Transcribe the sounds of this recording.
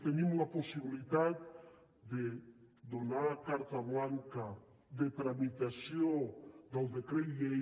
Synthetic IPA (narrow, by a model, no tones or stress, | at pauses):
t̪enimlaposiβilit̪at̪ | d̪ed̪onaɾakaɾt̪aβlaŋka | ðet̪ɾamit̪asjod̪alðekɾejʎe